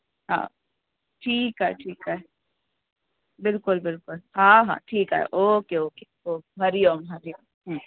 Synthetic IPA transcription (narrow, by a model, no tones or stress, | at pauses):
ɦã̰ː | ʈʰiːkɦɛɦɛ̰ʈʰiːkɛɦe | bɪlkʊlbɪlkʊlɦãːɦã̰ːʈʰiːkɦa̰ɦḛʔoːkeoːke | oːbʱɐɾijoːmbɐɾijoː | ɦ